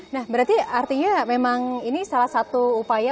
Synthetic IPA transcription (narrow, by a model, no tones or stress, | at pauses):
nahbəɾart̪iart̪iɲamemaŋinisalahsat̪uːpaja